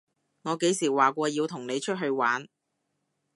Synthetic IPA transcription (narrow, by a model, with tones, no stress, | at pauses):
ŋɔː˨˧ke˨˥jsiː˨˩waː˨˩kʷɔː˧jiː˧wt̪ʰʊ˨˩ŋne˨˧jt͡ʃʰɵ˥t̚ɦɵ˧ɥwaː˨˥n